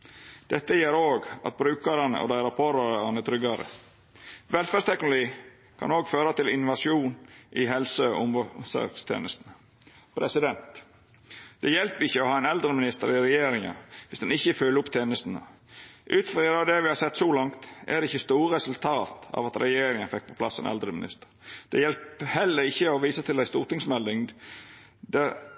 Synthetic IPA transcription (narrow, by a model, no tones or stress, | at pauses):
d̪̥ɛt̪ːəjeːɾoːɡɑ̰t̪̚bɾʉːkɑɾɑnə̰ʔɔ̰d̪æɪɾɑpʰɔɾɑɾɑnət̪ʰɾʏɡɑɾə̰ | ʋɛlfæːst̪ʰɛknʊliː | kʰɑ̰noːɡføːɾɑt̪ɪlʔɪnʋɑʂjuːnʔɪɦɛlsəʔʊ̰məsø̰ːkst̪ʰḛːnəst̪ənə | pʰɾɛsɪd̪ɛnt̪ | d̪̥ɛjɛlpəɪçːəɔhɑːæɪnɛld̪ɾəmɪnɪst̪əɾɪɾɛjeːɾɪŋɑ̰ʋɪsd̪ɛnɪçːəføːləʊpt̪ʰeːnəst̪ənə̰ | ʔʉːt̪fɾiɾəɑʋd̪ɛʋɪhɑːɾsɛt̪ːsɔlɑŋt̪ʔɛ̰d̪ɛɪçːəst̪uːɾəɾɛsʉlt̪ʰɑːt̪ɑ̰ʋɑt̪ɾɛjeːɾɪŋənfɛk̚ːpʰɔ̥pʰlɑsːɛ̰nɛ̰ld̪ɾəmɪnɪ̰st̪ə̥ɾd̪̥ɛjɛlphɛlːəɾɪçːəɔʋiːsət̪ʰɪld̪æɪst̪uːɾt̪ɪŋsmɛlːɪŋ | d̪ɛ